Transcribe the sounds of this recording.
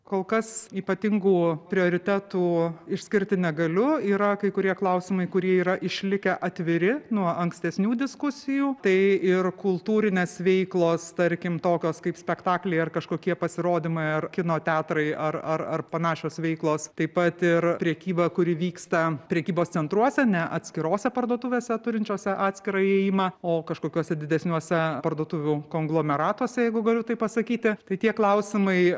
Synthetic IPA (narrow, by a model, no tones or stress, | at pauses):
koːlˠkɐsiːpɐt̪ʲɪŋɡuːpʲɾʲɪoːɾʲɪt̪ʲæːt̪uːɪʃʲsʲkʲɪɾʲt̪ʲɪnʲɛɡɐlʲʊiːɾɐkɐɪkʊɾʲiɛklˠɐʊsʲɪmɐɪkʊɾʲiɛiːɾɐʔɪʃʲlʲɪkʲɛʔɐt̪ʲʋʲɪɾʲɪnuɔʔɐŋksʲt̪ʲɛsʲnʲuːd̪ʲɪskʊsʲɪjuːt̪ɐɪɪrkʊlˠt̪uːɾʲɪnʲeːsʋʲɛɪklˠoːst̪ɐɾʲkʲɪmt̪oːkʲoːskɐɪpsʲpʲɛkt̪ɑːklʲɛɪɐrkɐʃkoːkʲiɛpɐsʲɪɾoːd̪ʲɪmɐɪɐrkʲɪnoːt̪ʲæːt̪ɾɐɪɐrɐrɐrpɐnɑːʃʲoːsʋʲɛɪklˠoːst̪ɐɪpɐt̪ɪrpʲɾʲɛkʲiːbɐkʊɾʲɪʋʲiːkst̪ɐpʲɾʲɛkʲiːboːst̪t͡sʲɛnt̪ɾuɔsʲɛnʲɛʔɐt̪ʲsʲkʲɪɾoːsʲɛpɐrd̪uɔt̪ʊʋʲeːsʲɛt̪ʊɾʲɪnʲt͡ʃʲoːsʲɛʔɑːt̪ʲsʲkʲɪɾɐɪeːjɪmɑoːkɐʃkoːkʲuɔsʲɛd̪ʲɪd̪ʲɛsʲnʲuɔsʲɛpɐrd̪uɔt̪uːʋʲukoːŋɡlˠoːmʲɛɾɑːt̪uɔsʲɛjɛɪɡʊɡɐlʲʊt̪ɐɪpɐsɐkʲiːt̪ʲɪt̪ɐɪt̪ʲiɛklˠɐʊsʲɪmɐɪ